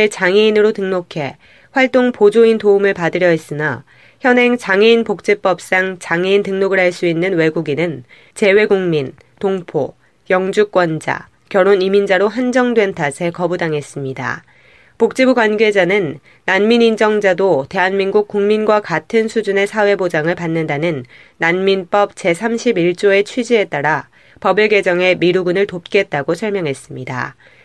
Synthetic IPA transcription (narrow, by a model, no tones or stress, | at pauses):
eɭt͡ɕaŋeinɯɾotɯŋnokʰe̞ | ɸwaɭt͈oŋpod͡ʑointoumɯɭpadɯɾjʌis͈ɯna | çjʌnɦe̞ŋt͡ɕaŋeinpok̚t͡ɕ͈ep͈ʌp̚s͈aŋt͡ɕaŋeintɯŋnoɡɯɭhaɭs͈uinːɯnwe̞ɡuɡinɯn | t͡ɕe̞we̞ɡuŋmin | toŋpʰo̰ | jʌŋd͡ʑuk͈̚wʌnd͡ʑa̰ | kjʌɾonimind͡ʑaɾoɦand͡ʑʌŋdwe̞ntʰasʰe̞kʌbudaŋe̞s͈ɯmɲida̰ | pok̚t͡ɕ͈ibuɡwanɡe̞d͡ʑanɯnː | anminind͡ʑʌŋd͡ʑadote̞ɦanminɡuk̚k͈uŋminɡwakatʰɯnsʰud͡ʑune̞sʰawe̞bod͡ʑaŋɯɭpanːɯndanɯnː | anminp͈ʌp̚t͡ɕe̞sʰamɕʰibiɭt͡ɕ͈oe̞t͡ɕʰwid͡ʑie̞t͈aɾa | pʌbeɭɡe̞d͡ʑʌŋe̞miɾuɡunɯɭtop̚k͈e̞t̚t͈aɡosʰʌɭmjʌŋɦe̞s͈ɯmɲida̰